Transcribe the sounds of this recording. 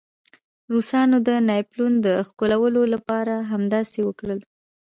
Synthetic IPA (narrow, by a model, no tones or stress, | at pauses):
ɾusɑnod̪ənɑjplund̪əxkolawəlolapɑɾaɦamd̪ɑsewəkɽəl